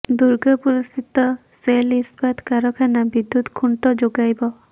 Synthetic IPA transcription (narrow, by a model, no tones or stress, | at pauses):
d̪uɹɡapuɹustit̪ɔselispat̪kaɹɔkʰanabid̪ːut̪kʰunʈɔd͡ʒoɡajbɔ